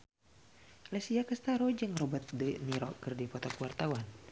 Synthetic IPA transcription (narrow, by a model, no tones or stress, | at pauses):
lɛsiakəst̪aɾɔd͡ʒɨŋrɔbat̪̚dəniɾɔ̰kɨrdipɔt̪ɔkwart̪awan